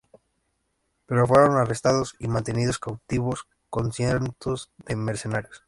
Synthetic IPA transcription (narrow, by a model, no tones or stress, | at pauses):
pe̞ɾofwe̞ɾo̞narest̪aðosimãnt̪e̞nið̞oskawt̪iβos | konsjeɾnt̪ozðemeɾse̞naɾjos